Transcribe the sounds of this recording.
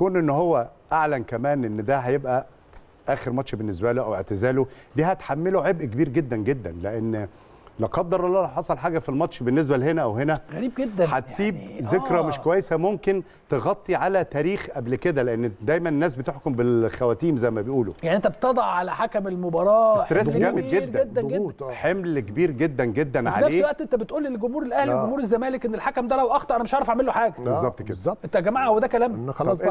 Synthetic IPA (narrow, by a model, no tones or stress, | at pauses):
kuːnʔenːhowːæʔaʕlænkæmæːnʔenːd̪æɦæjebʔæ | ʔæːxeɾmɑtʃbenːes̬bæloʔæweʕt̪ezæːlod̪iːhæt̪ħamːeloʕebʔkebiːɾɡed̪ːænɡed̪ːæ̰nleʔenː | lɑqɑd̪ːɑɾˤʔɑlːɑːlɑħɑsˤɑlħaːɡæfilmɑt̪ʃbenːes̬bælhenæʔæwhenæɣæɾiːb̚ɡed̪ːæħæt̪siːbzekɾæmeʃkowæjːesæmomken | t̪eɣɑt̪ˤːiʕalæt̪æːɾiːxʔæblked̪æleʔenːd̪æjmænenːæːs̬bet̪eħkombelxæwæːt̪iːmzæjmæbejʔuːlo̰jaʕniʔent̪æbt̪ɑd̪ˤɑʕʕalæħakæmelmobɑɾˤɑːest̪eɾesɡæmeɡeɾːed̪ːæɡeddænħemlkebiːɾɡed̪ːænɡed̪ːænʕa̰lnælesːlwæʔt̪ʔent̪æbet̪ʔuːlːilɡomhuːɾelʔæhlɡomhuːɾezːæmæːlekʔenːelħakæmd̪ælæwʔɑxt̪ɑɾˤʔænæmeʃʕɑʕɾˤɑfaʕmelːoħaːɡæbezːɑb̚t̪kḛd̪zæɑʔet̪ːæɡæmːaʕwed̪ækælæːm